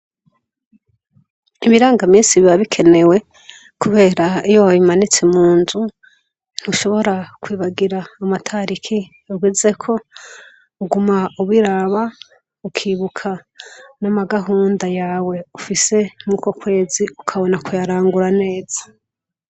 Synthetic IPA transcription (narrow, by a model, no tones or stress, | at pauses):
iβiɾaːŋɡamiːnsiβiβaβikʰe̞ne̞we̞ | kuβe̞ːɾaijoimanit͡se̞muːnzu | n̥huʃo̞βo̞ɾakwiːβaɡiɾaːmatʰaɾikʰi | uɡwiːze̞kʰo̞ | uɡumauβwiɾaβa | ukʰiːβukʰanamaɡaɦuːndajaːwe̞ufise̞muko̞kwe̞ːziukʰaβo̞nakʰujaɾaːŋɡuɾane̞ːz̥ḁ